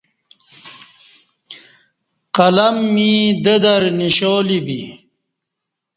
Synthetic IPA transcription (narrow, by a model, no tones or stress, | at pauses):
qɐlɐmːid̪ed̪ɐɾniɕoːlibi